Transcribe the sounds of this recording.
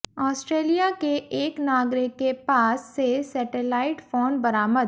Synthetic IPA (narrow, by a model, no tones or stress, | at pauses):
ɔːsʈɾeːlijakeʔeːknaːɡɾɪkːepaːsːesɛːʈelaːɪʈfoːnbɐɾaːməd̪̚